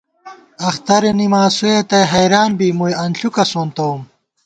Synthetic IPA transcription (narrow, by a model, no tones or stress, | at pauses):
ɐxt̪ɐɾenimaːsuet̪ɐjɦɐjɾaːnbiːmujɐnɬukɐsont̪oum